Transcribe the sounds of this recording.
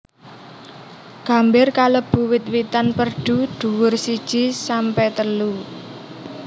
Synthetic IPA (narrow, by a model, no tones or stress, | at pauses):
ɡ̥a̤mbɪrkaləb̥ṳwɪt̪̚wit̪anpərɖ̥ṳd̪̥ṳwʊrsid̥ʒ̥i̤sampɛt̪əlu